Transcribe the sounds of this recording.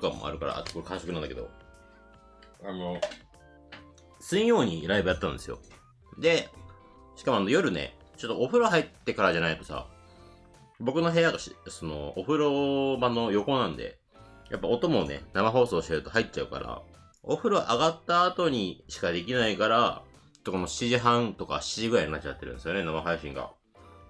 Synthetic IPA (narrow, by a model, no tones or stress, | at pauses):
kamːo̰a̰ɾɯ̟kaɾa̰ʔa̰t̪okoɾɯkãɰ̃so̞kɯnand̪akeo̞̰ | ano | sɨĩjo̞ːɲ̟iɾaibɯat̪ːã̰nd̪e̞sɨjo̰ | d̪e̞ | ɕi̥kamo̞anojo̞ɾɯ̟ne̞̰ | t͡ɕo̞t̪ːoːɸɯ̟ɾoɦait̪ːe̞kaɾad͡ʑanait̪ːo̞sa̰ | bo̞kɯ̟no̞ɦe̞jaɡaɕso̞no̞̰ːɸɯ̟ɾo̞bãnːo̞jo̞ko̞nãnd̪e̞̰ | japːao̞t̪o̞monḛnamaɦo̞ːso̞ːɕieɾɯ̟t̪oɦait̪̚ːt͡ɕaɯ̟ka̰ɾa̰ | oɸɯ̟ɾoaʔaɡat̪ːaːt̪o̞ɲ̟iɕi̥kad̪e̞k̬ʲinaikaɾa | t͡ɕo̥t̪ːoko̞no̞ɕi̥iʑiɦãnt̪o̞ka̰ɕi̥iʑiɡɯɾaiɲnat͡ɕia̰t̪ːe̞ɾɯ̟̃nd̪esjo̞nenamaɦaiɕĩŋɡa̰